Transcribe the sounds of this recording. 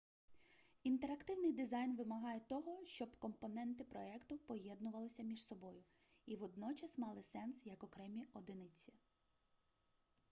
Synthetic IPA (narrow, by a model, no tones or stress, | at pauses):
int̪eɾɐkt̪ɪwnɪjd̪ɪzɑjnʋɪmɐɦɑjɛt̪ɔɦɔʃt͡ʃɔbkɔmpɔnɛnt̪ɪpɾɔɛkt̪ʊpɔjɛd̪nʊʋɐlˠɪsʲɐmʲiʃsɔbɔjʊ | iʋɔd̪nɔt͡ʃɐsmɑlˠɪsɛnsjɐkɔkɾɛmʲiɔd̪ɪnɪt͡sʲi